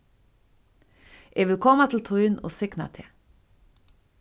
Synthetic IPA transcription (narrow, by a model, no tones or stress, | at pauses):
ʔeːʋɪlkʰɔmət̪ʰl̩t̪ʰoːɪno̰ːsʏknə̰t̪ʰeː